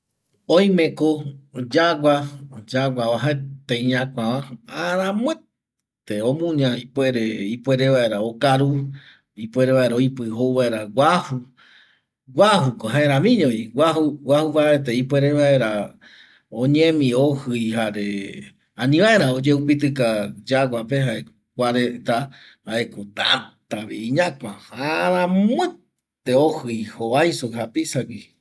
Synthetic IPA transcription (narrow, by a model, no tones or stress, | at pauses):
õj̃mẽkod͡ʒaɡʷad͡ʒaɡʷaaɦaet̪ẽjɲãkʷãʋãaɾãmw̃e | t̪eõmũɲãipwe̞ɾeipʷe̞ɾeβae̞ɾao̞kaɾu | ipwe̞ɾeβaʔeɾaojpɨɦouβaʔeɾaɡʷahu | ɡʷaɦukoɦaeɾ̃ãmĩɲõĩɡʷaɦuwʷahuβaeet̪̬eipweɾeβae̞ɾa | õɲẽmĩohɨjhaɾe | anĩβaeɾ̃ãod͡ʒeupit̪̬ɨkad͡ʒaɡʷapeɦae | kʷaɾet̪a | haekot̪a̰t̪aβiiɲãkʷahaɾãmɨ̃ | t̪eohɨjhoβajsoɦapisaɡi